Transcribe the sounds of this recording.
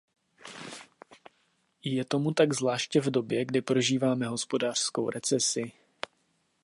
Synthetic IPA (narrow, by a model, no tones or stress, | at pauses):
jɛt̪o̞mut̪aɡzvlaːʃcɛvdo̞bjɛɡdɪpɾo̞ʒiːvaːmɛɦo̞spo̞daːr̥sko̞wɾɛt͡sɛsɪ